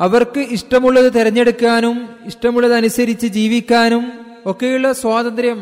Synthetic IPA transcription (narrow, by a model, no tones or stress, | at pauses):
ɐʋɐrkɨiʂʈɐmuɭːɐðɨt̪iɾɐɲːe̞ɽukːaːnumiʂʈɐmuɭːɐðɨɐnusɐɾit͡ɕːɨd͡ʑiːʋikʲːaːnum | o̞kːe̞ːjuɭːɐswaːd̪ɐnd̪ɾjɐm